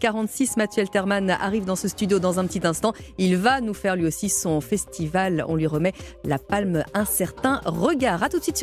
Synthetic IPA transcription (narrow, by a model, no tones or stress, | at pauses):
kaʁɑ̃t̪sismat̪ɥɛlt̪ɛʁmana̰ʁivd̪ɑ̃səst̪yd̪jod̪ɑ̃zɛ̃pət̪it̪ɛ̃st̪ɑ̃ilvanufɛʁlɥiosisɔ̃fɛst̪ivalɔ̰̃lɥiʁəmɛlapalmɛ̃sɛʁt̪ɛ̃ʁəɡaːʁat̪ut̪sɥit̪s